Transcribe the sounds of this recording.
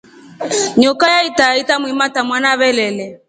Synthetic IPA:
ɲɔkajaitaitamimatamwanaβɛlɛlɛ

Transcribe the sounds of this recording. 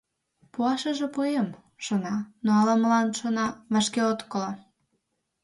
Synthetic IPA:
puɑʃə̆ʒĕpuem | ʃonɑnoɑlɑməlɑnʃonɑβɑʃkeot̪kəlɑ

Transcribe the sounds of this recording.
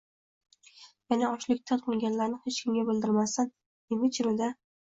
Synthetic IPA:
janaɒʃlɪk̚ʲt̪ʰanqʰolˠɡʲanlaɾnɪhet͡ʃkʲʰɪmɡʲabɪld̪ɪɾmasan | emɪt͡ʃʰɪɾʊd̪a

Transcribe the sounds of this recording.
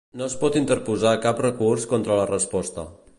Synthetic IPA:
noəspɔt̪int̪əɾpuzakaprəkurskɔnt̪ɾələrəspɔst̪ə

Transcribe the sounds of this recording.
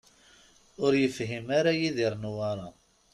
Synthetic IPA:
ʊɾjəfɦimaɾajiðiɾˤnuwɑɾˤɑ

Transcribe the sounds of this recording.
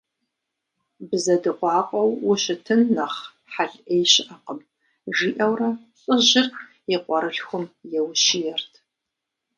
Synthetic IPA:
bzɐdɨqʷɑːqʷʼɔwːʊɕɪtʰɨnːɐχ | ħaɮʔejɕɪʔɐqəm | ʒʷiːʔɐwrɐ | ɕʼɨʑɪr | jɛqʷɔɾɨɬxʷʊmjɛwʃijɛrtʰ

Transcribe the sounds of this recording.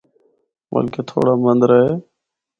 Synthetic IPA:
mə̰lkeːt̪ʰo̰ːɽaːmənd̪ɾəɦeː

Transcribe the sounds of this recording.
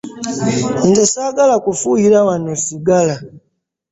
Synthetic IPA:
ndesaːɡalakufujiɾawanosiɡala

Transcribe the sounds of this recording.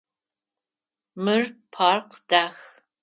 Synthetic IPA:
mɨrpʰaːrqd̥aːx

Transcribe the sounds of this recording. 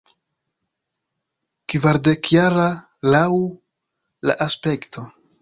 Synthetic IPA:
kvaɾde̞kjaɾa | lawu | la̰ʔaspe̞ktʰo̞

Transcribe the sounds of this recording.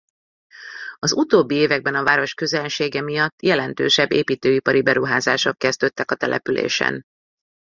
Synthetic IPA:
ɒzut̪oːbːieːvɛɡ̚bɛnɒvaːɾo̞ʃkøzɛnʃeːɡɛmijɒt̪ːjɛlɛnt̪ø̰ːʃɛbːeːpiːt̪øːipɒɾibɛɾuɦaːzaːʃokːɛzd̪øt̪ːɛkɒt̪ɛlʔɛ̰pylḛːʃɛ̰n

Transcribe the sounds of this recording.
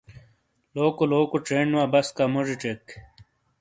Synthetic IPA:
loːkoloːkoʈɾeːɳuwaːbɐskamoʐiʈ͡ʂek

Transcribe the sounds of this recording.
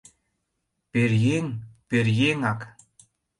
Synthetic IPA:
peɾjeŋperjeŋɑk

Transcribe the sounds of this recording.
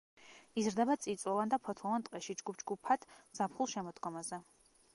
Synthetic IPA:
izɾd̪ɛbat̪sʼit̪sʼwɔvand̪apʰɔt̪ʰlˠɔvant̪ʼqʼɛʃid͡ʒɡup̚ʰd͡ʒɡupʰat̪ʰz̥apχulˠʃɛmɔd̪ɡɔmazɛ

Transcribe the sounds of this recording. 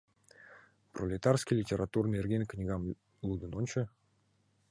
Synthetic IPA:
prolʲɪt̪arskʲilʲɪtʲeɾat̪urnɨerɡʲenʲknʲiɡɑm | lˠud̪ɨnonʲt͡ɕə̆

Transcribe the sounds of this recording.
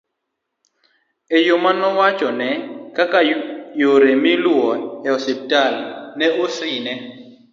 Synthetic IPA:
ejomanɔwat͡ʃʼɔnɛkakajoɾemiluɔɛɔsɛp̚talnɛusiːnɛ

